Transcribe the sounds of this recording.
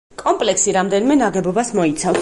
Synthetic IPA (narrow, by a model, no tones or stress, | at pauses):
kʼɔmpʼlɛksiɾamd̪ɛnimɛnaʁɛbɔbasmɔit̪ʰav